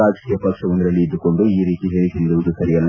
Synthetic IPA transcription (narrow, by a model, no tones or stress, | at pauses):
aːd͡ʒɐkijɐpɐkʂɐʋɐnd̪iɾɐlːiid̪ːuko̞ɳɖuiːɾiːt̪iɦeɾit̪ind̪uʋuðusɐɾijɐlː